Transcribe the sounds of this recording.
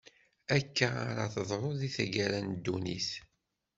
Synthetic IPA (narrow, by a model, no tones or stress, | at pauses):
ækːaa̰ɾaθəðˤɾˤoðiθæɡæɾænd̪ːunḭθ